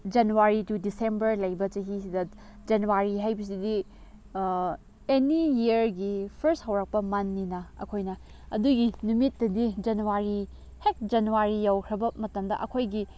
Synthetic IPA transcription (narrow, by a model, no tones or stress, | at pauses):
d͡ʒɐnuwaɾitudisembɐɾlɐjbɐt͡ʃɐɦisidɐ | d͡ʒɐnuwaɾiɦajbis̬idi | enijiɾɡipʰɐɾsthɐwɾɐk̚pɐmɐnːinɐɐ̰kʰojnɐ | ɐduɡinumitːɐdid͡ʒɐnuwaɾi | hek̚d͡ʒɐnuwaɾijawkʰɾɐbɐmɐtɐmdɐ̰ʔɐkʰojɡi